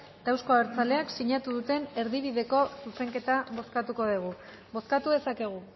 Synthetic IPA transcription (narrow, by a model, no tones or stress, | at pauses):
t̪awsko̞aβeɾt͡sale̞aksiɲat̪uðut̪e̞ne̞ɾðiβiðe̞ko̞suse̞ŋke̞t̪aβo̞skat̪uko̞ðiɣ̞u | βo̞skat̪uðe̞sake̞ɣ̞u